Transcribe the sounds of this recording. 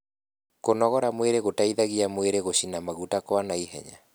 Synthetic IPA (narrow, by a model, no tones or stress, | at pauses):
konɔɣɔɾamweɾeɣotaiðaɣiamweɾeɣoɕinamaɣutakwanaiɦɛ̰ɲa